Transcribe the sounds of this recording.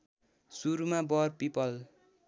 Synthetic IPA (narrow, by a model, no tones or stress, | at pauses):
suɾumabʌrpipʌl